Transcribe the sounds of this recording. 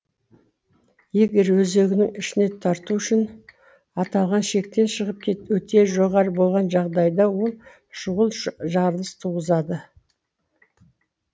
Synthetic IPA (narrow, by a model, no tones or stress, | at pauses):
je̞ɡʲe̞ɾwɵze̞ɡʲɪnɪŋɪʃɪne̞t̪ʰɑɾt̪uʏʃɪn | ɑt̪ɑlˠʁɑnʃe̞k̚t̪e̞nʃəʁəp̚kʲʰe̞t̪wɵt̪e̞ʒo̞ʁɑɾəbo̞lˠʁɑnʒɑʁd̪ɑjd̪ɑwo̞lˠ | ʃʊʁəlˠʒɑɾlˠəst̪ʰuʁəzɑd̪ə